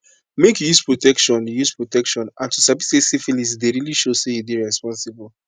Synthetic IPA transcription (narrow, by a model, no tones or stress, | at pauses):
mekjuzpɹotɛkʃɔ̃njuzpɹotɛkʃɔ̃nãntusavisesefilisdeɹiliʃosejubiɹɛspɔ̃nsibɔl